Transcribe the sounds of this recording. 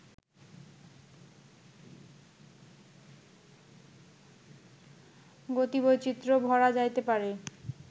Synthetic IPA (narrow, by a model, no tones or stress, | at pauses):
ɡot̪ibot͡ɕit̪ːɾobʱɔɾad͡ʑajt̪epaɾe